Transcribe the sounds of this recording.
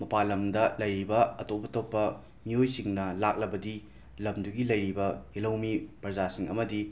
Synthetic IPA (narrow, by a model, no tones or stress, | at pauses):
mɐpalɐmdɐlɐjɾibɐɐtopːɐtopːɐ | miojsiŋnɐlak̚lɐbɐdi | lɐmduɡilɐjɾibɐelɐwmipɾɐd͡ʒasiŋɐ̰mɐdi